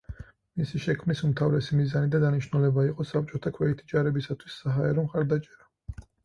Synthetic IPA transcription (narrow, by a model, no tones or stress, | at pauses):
misiʃɛkʰmnisumt̪ʰavɾɛsimizanid̪ad̪aniʃnulɛbaiqʼɔsap̚t͡ʃʼɔt̪ʰakʰwɛɛt̪ʰid͡ʒaɾɛbisat̪ʰwisːaɦaɛɾɔmχaɾd̪at͡ʃʼɛɾa